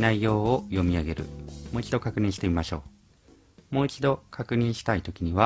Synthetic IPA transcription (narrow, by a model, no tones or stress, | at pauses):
naijo̞ːojo̞mʲiaɡe̞ɾɯ̟̰moːit͡ɕid̪o̞kakɯ̟ɲ̟ĩɕi̥t̪e̞mʲimaɕo̞̰ː | mo̞ːit͡ɕid̪o̞kʰakɯ̟ɲ̟ĩɰ̃ɕi̥t̪ait̪o̞kʲiɲ̟iβa